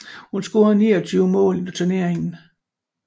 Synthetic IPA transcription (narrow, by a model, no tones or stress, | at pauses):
hunsɡ̥oɐðniːɒt͡sʰyːʊəmɔ̰ːlnot͡sʰɛne̝ɐeŋn̩